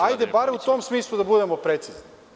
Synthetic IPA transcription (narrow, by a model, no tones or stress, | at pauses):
ajd̪e̞baɾeut̪oːmsmiːslˠud̪abud̪emo̞pɾe̞t̪sizni